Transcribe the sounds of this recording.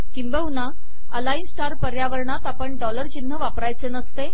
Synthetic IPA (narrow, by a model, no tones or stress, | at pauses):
kimbəɦuna | əlainsʈaɾpəɾjaʋəɾɳat̪apəɳɖɔləɾt͡ɕin̤ːəʋapɾajt͡senəst̪e